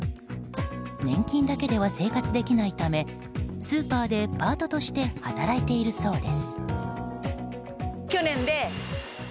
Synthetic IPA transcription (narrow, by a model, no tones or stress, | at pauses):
nẽ̞ŋkʲĩnd̪ake̞d̪e̞β̞ase̞ːkat͡sɨd̪e̞kʲinait̪ame̞ | sɨːpaːd̪e̞paːt̪o̞t̪o̞ɕi̥t̪e̞hat̪aɾait̪e̞iɾɯ̟so̞ːd̪e̞sɨ̥ | kʲo̞nẽ̞nd̪e̞